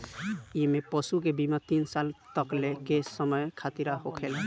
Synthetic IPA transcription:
imepɔsukebimat̪insalt̪əklekesəməjkʰat̪iɾaɦokʰel

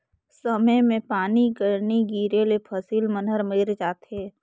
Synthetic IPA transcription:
səməjmẽpaːnikəɾniɡiːɾelepʰəsiːlmənɦəɾmɪɾd͡ʒaːt̪ɦeː

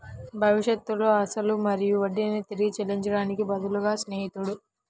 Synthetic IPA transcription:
bʱɐʋiʂjɐt̪ːulo̞ːɐsɐlumɐɾijuʋɐɖːinet̪iɾiɡit͡ʃɛliɲt͡ʃɐɽaːnikibɐd̪ɐluɡaːsneːɦit̪uɽu

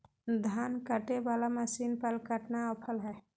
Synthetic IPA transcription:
d̪ʱankəʈebalaməsiːnpəlkəʈnaəpʰəlɦɛ

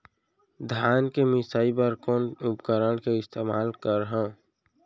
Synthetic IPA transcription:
d̪ʱjaːnkemɪsaːipəɾkɔːnʊpkəɾəɽkeɪst̪ʰeːma̰ːlkəɾɦãː

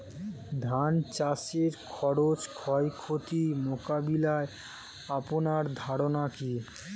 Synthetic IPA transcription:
d̪ʱant͡ɕaseɾkʰɔɾot͡ɕkʰɔjkʰot̪imokabilae | aponaɾd̪ʱaɾonaki

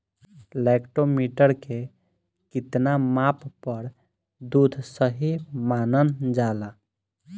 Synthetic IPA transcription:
lɛkʈomiʈəɾke | kit̪namappəɾ | d̪ud̪ʱsəɦimanənd͡ʒala

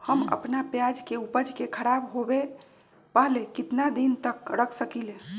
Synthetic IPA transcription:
həmə̰pnapjad͡ʒkeupəd͡ʒʱkekʰəɾabɦobe | pəɦlekit̪nad̪int̪əkɾəkʰsəkilẽ

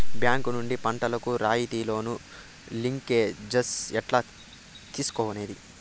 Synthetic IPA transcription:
bjaːŋkunuɳɖipɐɳʈɐlɐkuɾaːjit̪iːlo̞ːnu | liŋkeːd͡ʒɐsɛʈlaː | t̪iːsu̥kɔːʋɐneːd̪i

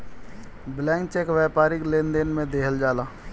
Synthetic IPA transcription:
blɛ̃ːŋkt͡ʃekʋɛːpaːɾɪklẽːnd̪enmẽd̪eːɦəld͡ʒaːlaː

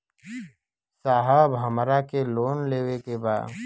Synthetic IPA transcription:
saːɦəbəmɾakeloːnleːwekebaːd̪

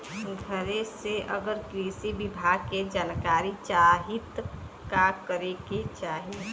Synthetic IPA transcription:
ɡʱəɾeseʔə̰ɡəɾkɾiːsibɪbʱaɡ̚ked͡ʒaːnkaːɾit͡ʃaːɦit̪ | kakəɾeket͡ʃaːɦie

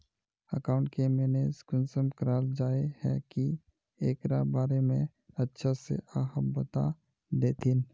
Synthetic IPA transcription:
əkãːʊ̃ɳʈkemɛːneskʊnsəmkɾaːld͡ʒaːehɛ̰ki | eːkɾa̰baːɾemẽ | ətːʃʰasḛʔaːɦəbət̪a̰ | d̪eːt̪ʰiːn

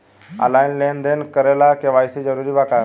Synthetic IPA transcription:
a̰lainlend̪enkəɾelakẽʋaːjsid͡ʒəɾuːɾibaka

